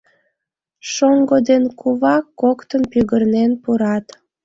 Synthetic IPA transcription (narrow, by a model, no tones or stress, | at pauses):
ʃoŋɡod̪enkuβɑkːokt̪ənpyɣərnenpuɾɑt̪